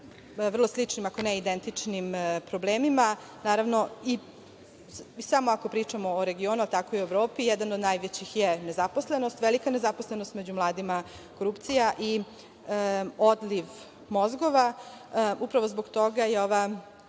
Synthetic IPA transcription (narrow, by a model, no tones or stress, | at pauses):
ʋr̩lˠoslit͡ʂnimako̞nɛid̪ent̪it͡ʂnimpɾobleːmima | naːɾaʋno̞i | samo̞ako̞pɾiːt͡ʂamoːɾe̞ɡioːnualˠt̪ako̞ioeʋɾo̞ːpijɛd̪anod̪najʋet͡ɕixjenezapo̞slenost̪ʋelikanezaposlˠenost̪med͡ʑumlˠaːd̪ima | koɾupt̪sijaʔi | od̪liʋ | mozɡo̞ʋa | upɾaʋo̞zboɡt̪oɡajeoʋa